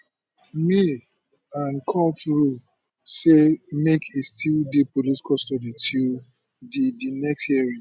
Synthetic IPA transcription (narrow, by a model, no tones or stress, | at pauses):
mi | ãnkʰɔ̃mtɹu | semekʰestildepoliti̥kɔstɔditʰil | didinɛksthiɛɹĩŋ